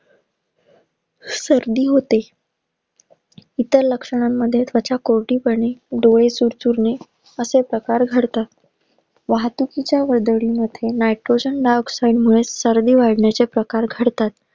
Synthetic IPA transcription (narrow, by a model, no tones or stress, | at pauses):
səɾd̪iːɦot̪e | it̪əɾləkʂəɳ̃amːəd̪ʱːjet̪ʰʋat͡ɕjakoɾʈiːpəɳeɖoɭesuɾt͡suɾne | əsepɾəkaɾɡʱəɽt̪at̪ | ʋaɦt̪ukit͡ɕjaʋəɾd̪əɭiːməd̪ʱjenajʈɾod͡ʑənɖaksajɖmuɭesəɾd̪iːʋaɽɳjat͡sepɾəkaɾɡʱəɽt̪at̪